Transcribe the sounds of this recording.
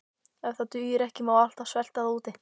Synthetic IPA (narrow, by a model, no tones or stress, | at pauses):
ɛvθat̪ʏːjɪɾɛhcɪmaːwal̥t̪ḁsvɛl̥t̪aðauːt̪ɪ